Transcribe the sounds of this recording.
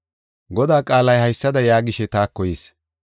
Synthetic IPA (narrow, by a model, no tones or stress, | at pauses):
ɡɔd̪aːkʼaːlɐjhɐjsːɐd̪ɐjaːɡɪʃɛt̪aːkːɔjeːs